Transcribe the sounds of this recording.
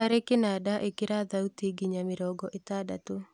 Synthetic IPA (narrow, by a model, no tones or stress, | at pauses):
aɾekɪnadaʔekɪɾad̪autiɡiɲamɪɾɔɡɔʔet̪ada̰to